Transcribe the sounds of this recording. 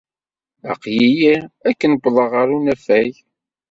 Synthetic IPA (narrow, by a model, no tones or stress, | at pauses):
æ̰qjijiækːənkʷːðˤɑʁəɾunæfæj